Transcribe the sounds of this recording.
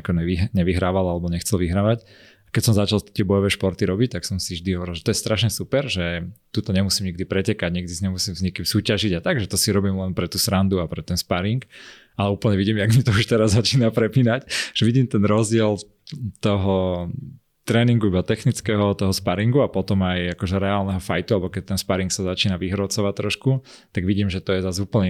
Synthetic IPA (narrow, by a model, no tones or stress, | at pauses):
akɔɲɛiɦɲɛʋiɦɾaːʋalalɛbɔɲɛxt͡sɛlʋiɦɾaːʋac | akɛcsɔmzat͡ʃalˠt̪ɪɛbɔjɔʋɛːʃpɔɾt̪iɾɔbic̚t̪aksɔmsivʒd̪iɦɔʋɔɾilˠʒɛt̪ɔjɛst̪ɾaʃɲɛsupɛɾʒɛt̪ut̪ɔɲɛmusiːmɲiɡ̚d̪ipɾɛcɛkaɟɲiɡ̚d̪izɲɛmusiːmzɲɛkimsuːcaʒiɟat̪aɡʒɛt̪ɔsiɾɔbiːmlɛnpɾɛt̪uːsɾand̪uapɾɛt̪ɛnspaɾiŋk | alɛuːpl̩ɲɛʋiɟiːmjaɡmit̪ɔuʃt̪ɛɾazːat͡ʃiːnapɾɛpiːnacʒ̥ɛʋiɟiːmt̪ɛnɾɔzɟɪɛl | t̪ɔɦɔ | t̪ɾɛːniŋɡuibat̪ɛxnit͡skɛɦɔt̪ɔɦɔspaɾiŋɡuapɔt̪ɔmajakɔʒɛɾɛaːlˠnɛɦɔfajt̪ualɛbɔkɛc̚t̪ɛnspaɾiŋksazat͡ʃiːnaʋiɦɾɔt͡sɔʋact̪ɾɔʃkut̪aɡʋiɟiːmʒɛt̪ɔjɛzazuːpl̩ɲɛ